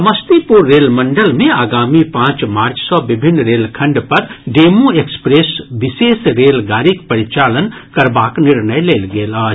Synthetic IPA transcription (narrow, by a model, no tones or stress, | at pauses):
əməst̪ipuɾːelməɳɖəlmẽaːɡaːmipãːt͡ʃmaːɾt͡ʃsɔbibʱinːɾelkʰə̃ɳɖpəɾɖemũekspɾesbisesɾelɡaːɾikpəɾit͡ʃalənkəɾbaːkniɾnəjlelɡeːlaːd͡ʒ